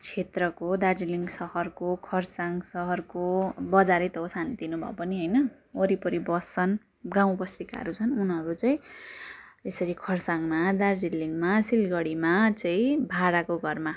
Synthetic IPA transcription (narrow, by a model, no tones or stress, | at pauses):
t͡sʰet̪rʌkod̪ard͡ziliŋɡsʌhʌrkokʰʌrsaŋɡsʌɦʌrkobʌd͡zaɾʌjt̪ʌɦosant̪inubʱʌ̰pʌniɦʌjnʌ | ʌɾipʌɾibʌst͡sʌn | ɡãw̃bʌst̪ika̰ʌ̰ɾut͡sʰʌnunɦʌɾut͡sʌĩ | esʌɾikʰʌrsaŋmad̪ard͡zilːiŋɡmasilɡʌɽimat͡saĩbʱaɾakoɡʱʌrma